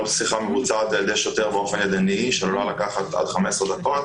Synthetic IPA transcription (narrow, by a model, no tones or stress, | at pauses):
lsiχamevut͡sat̪ed̪eʃjot̪eʁbeofenjed̪aniʃelolalakaχat̪a̰d̪χamesʁd̪ako̞t̪